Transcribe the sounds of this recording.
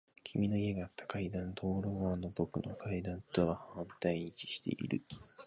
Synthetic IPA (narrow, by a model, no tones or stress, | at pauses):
kʲʰimʲino̞ie̞ɡaːt̪ːḁkaid̪ãnt̪o̞ːɾoɡano̞bo̞kɯ̟no̞̰kʰaid̪ãnt̪o̞βahãnt̪aiɲ̟it͡ɕi̥ɕi̥t̪e̞̰ʔḭɾɯ̟